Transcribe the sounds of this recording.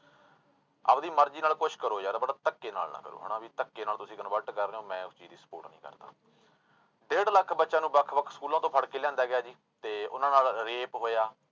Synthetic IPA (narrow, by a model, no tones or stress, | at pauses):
ə̰pd̪iːməɾd͡ʒiːnaːlkʊt͡ʃʰkəɾoːd͡ʒaːd̪aːbəɽaːt̪əkːeːna̰ːlnã̰ːkə̰ɾo̰ːɦə̰ːɳãːʋiːt̪əkːeːnaːlt̪ʊsĩːkənbəʈkəɾneoːmɛ̃ːʊst͡ʃiːd̪iːsə̥po̰ːʈnḭ̃ːkə̰ɾd̪a̰ː | ɖeːɽləkʰbətːʃãːnũːbəkʰbəktskuːlãːt̪õːpʰəɽkeːlɛ̃ːnd̪aːɡɪjaːd͡ʒiː | t̪eːʊ̰nãːnaːlɾeːpɦoːjaː